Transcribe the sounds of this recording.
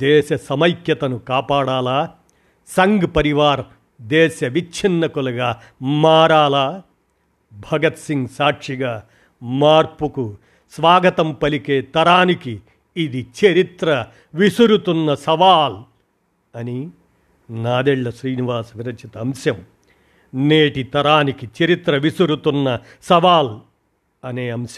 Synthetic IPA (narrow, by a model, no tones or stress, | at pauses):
d̪ɛːʃɐsɐmɐjkjɐt̪ɐnukaːpaːɽaːlaː | sɐŋɡpɐɾiʋaːɾɐ | d̪ɛːʃɐʋit͡ʃʰinːɐkulɐɡaː | maːɾaːlaː | bʱɐɡɐt̪siŋɡsaːʈʂiɡaː | maːɾpuku | sʋaːɡɐt̪ɐmpɐlikeːt̪ɐɾaːnikiː | d̪it͡ʃɐɾit̪ɾɐ | ʋisuɾut̪unːɐsɐʋaːl | ɐni | naːd̪eɭːɐʃɾiːniʋaːsʋiɾɐt͡ʃit̪ɐɐmsjɐm | neːʈit̪ɐɾaːnikit͡ʃɐɾit̪ɾɐʋisuɾut̪unːɐ | sɐʋaːl | ɐneːɐmsjɐm